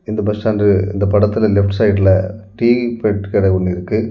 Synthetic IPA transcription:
ɪnd̪ɐbɐsʈaːndrɯɪ̰nd̪ɐpɐɽɐt̪ːɪlɐlɛfʈsɐɪʈɪlɐʈiːpɛʈːkɪɽɐɪɔɳːɯɪɾɯkːɯ

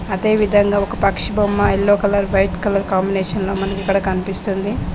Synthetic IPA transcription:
ɐd̪e̞ːʋid̪ʱɐŋɡaːɔkɐpɐkʂibɐmːɐilːoːkɐlɐɾʋɐjʈkɐlɐɾkaːmbineːʂɐnlo̞ːmɐnɐkikːɐɽɐkɐnipist̪und̪i

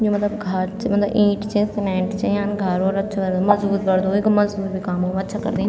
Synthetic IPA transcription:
d͡ʒõːmət̪ləbɡʱəɾt͡ʃmɐt̪ləbĩːʈt͡ʃẽsɪmɛ̃ːɳʈt͡ʃeaːnɡʱəɾoːɾətːʃʰakəɾd̪oməzuːɾbəɾd̪oːekməzuːɾbiːkaːmoːətːʃʰakə̰ɾd̪ĩː

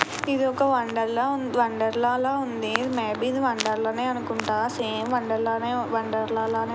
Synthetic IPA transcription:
id̪iɔkːɐʋɐɳɖɐɾlaːundʋɐɳɖɐɾlaːlaːund̪imeːbiːd̪iʋɐɳɖɐɾlɐːneːɐnukuɳʈaːseːmʋɐɳɖɐɾlaːneːʋɐɳɖɐɾlaːlaːneː

